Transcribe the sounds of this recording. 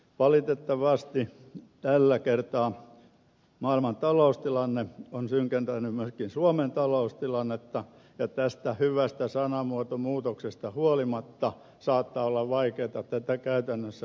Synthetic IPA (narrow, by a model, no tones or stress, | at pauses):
ʋɑlit̪et̪ːɑʋɑst̪i | t̪ælːækert̪ɑː | mɑːilmɑnt̪ɑloust̪ilɑnːeonsyŋkent̪ænymmyøskinsuoment̪ɑloust̪ilɑnːet̪ːɑ | jɑt̪æst̪æhyʋæst̪æsɑnɑmuot̪omuːt̪oksest̪ɑhuolimɑt̪ːɑ | sɑːt̪ːɑːolːɑʋʋɑikeːt̪ɑt̪æt̪ːækæyt̪ænːøsːæ